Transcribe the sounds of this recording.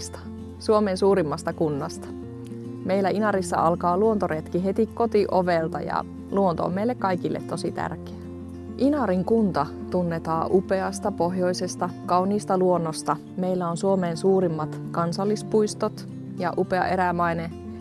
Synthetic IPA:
st̪ɑ̥ | suomeːnsuːɾimːɑst̪ɑkunːɑst̪ɑ̥ | me̞ilːæinɑɾisːɑ̰ʔɑlkɑːluont̪oɾet̪kiɦe̞t̪ikkːo̞t̪iʔoʋelt̪ɑ̰jɑ̰ | luont̪o̰o̰mːejlːekkːɑjkilːḛt̪tːo̞sit̪æ̰rke̥æ | ʔinɑɾiŋkunt̪ɑ | t̪unːe̞t̪ɑːʔupe̞ɑst̪ɑpo̞ɦjo̞jsest̪ɑkɑwniːst̪ɑluonːost̪ɑ | me̞ilːæonsuomeːnsuːɾimːɑt̪kɑnsɑlːispuist̪ot̪ | jɑʔupe̞ɑ̰ʔe̞ɾæmɑine

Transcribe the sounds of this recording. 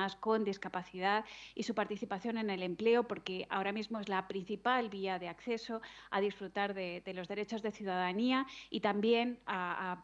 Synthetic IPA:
asko̞nd̪iskapaθiðaðisupaɾt̪iθipaθjo̞ne̞ne̞le̞mple̞opo̞ɾke̞a̰o̞ɾamizmo̞ezlapɾin̟θipalβiaðe̞akθe̞so̞að̞isfɾut̪aɾðe̞ðe̞lo̞zðe̞ɾe̞t͡ʃo̞zðe̞θjuðaðaniait̪ambje̞na

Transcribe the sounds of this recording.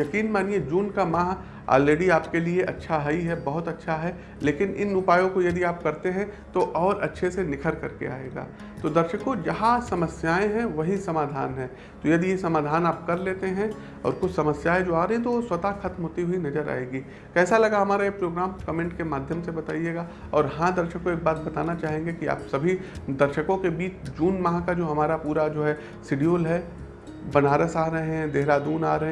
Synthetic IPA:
jɐkiːnmaːnied͡ʒuːnkamãːɦ | a̰ːlːeːɖiaːpkelieʔɐ̰tːʃʰaɦɐiɦɛbɐɦʊt̪ɐtːʃʰaɦɛ | leːkɪnɪ̰nʊpaːjõkojɐd̪iaːp̚kɐɾt̪eɦɛ̃t̪oʔɔːɾɐtːʃʰesenɪkʰəɾkɐɾkḛa̰ːḛːɡa̰ː | t̪oːd̪ɐɾʃəkod͡ʒɐɦãsɐməsjaːẽɦɛ̃ʋɐɦisɐmaːd̪ʱa̰ːnɦɛ̃ː | t̪ojɐd̪ijesɐmaːd̪ʱaːnaːp̚kɐɾleːt̪eɦɛ̃ | ɔ̰ːɾkʊt͡ʃʰsɐməsjaːẽd͡ʒoːaːɾɐɦeɛ̃t̪oʋoswɐt̪axɐt̪mɦoːt̪iɦuinɐd͡ʒəɾa̰ːeːɡiː | kɛːsalɐɡaɦɐmaːɾajepɾoːɡɾaːmkɐmẽːɳʈkemaːd̪ʱjəmsebɐt̪a̰ːieːɡa | ɔːɾɦãd̪ɐɾʃəkːoeːk̚baːt̪̚bɐt̪aːnat͡ʃaːɦẽːŋɡekia̰ːpsɐbʱid̪ɐɾʃəkõkebiːt͡ʃd͡ʒuːnmɐɦãkad͡ʒoːɦɐmaːɾapuːɾad͡ʒoːɦɛ | sɪɖijoːlɦɛ | bɐnaːɾəsaːɾɐɦẽɦɛ̃d̪eɦɾaːd̪uːna̰ːɾɐɦẽ

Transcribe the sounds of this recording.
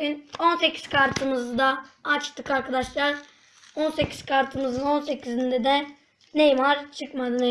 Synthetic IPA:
ino̞nse̞cʰi̥z̥kʰaɾt̪ʰɯmɯzd̪aːt͡ʃt̪ʰɯkaɾkʰad̪aʃlˠaɾ | o̞nse̞cʰi̥z̥kʰaɾt̪ʰɯmɯzɯno̞nse̞cʲʰizind̪ɛd̪ɛ | nejmaɾt͡ʃʰɯkmad̪ɯne

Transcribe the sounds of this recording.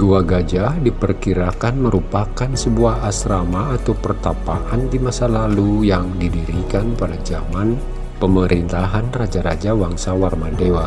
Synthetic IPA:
ɡuaɡad͡ʒadipərkiɾakanməɾupakansəbuahasɾamaːt̪awpərt̪apaʔandimasalalujaŋdidiɾikanpadad͡ʒaman | pəməɾint̪aɦanrad͡ʒaɾa̰d͡ʒawaŋsawarmadewa

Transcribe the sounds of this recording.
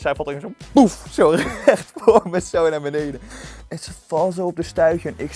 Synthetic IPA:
sɛjfɑltɪmənsopufsowɛχtfomɛtsownaːɹbənejdəɛnsəfɑlˠzowɔp̚dəstœɥɣənɪk

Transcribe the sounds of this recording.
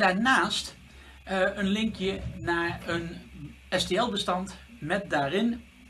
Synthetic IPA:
daːɹnaːst | ənlɪŋkjənaːɹən | ɛsteɛlˠbəstɑnt | mɛt̚daːrɪn

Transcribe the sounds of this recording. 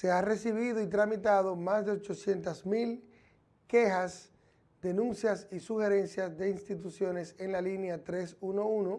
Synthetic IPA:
se̞are̞siβ̞iðoit̪ɾamit̪að̞o̞mazðe̞o̞t͡ʃo̞sje̞nt̪asmil | ke̞xas | d̪e̞nũnsjasisuxe̞ɾe̞nsjasðe̞inst̪it̪usjo̞ne̞se̞nlalinjat̪ɾe̞suno̞uno

